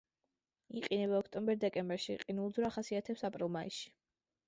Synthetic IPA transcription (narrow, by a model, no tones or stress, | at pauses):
iqʼinɛβaɔkʰt̪ʼɔmbɛɾd̪ɛkʼɛmbɛɾʃiqʼinulˠd̪zɾaχasiat̪ʰɛpsapʼɾilˠmaḭsʃi̥